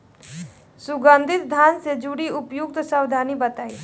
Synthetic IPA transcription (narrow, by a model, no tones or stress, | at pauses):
sʊɡə̃nd̪ʱɪt̪d̪ʱjaːnsed͡ʒuɽiʊpjʊɡ̚t̪saːwd̪ʱaːnibət̪aːi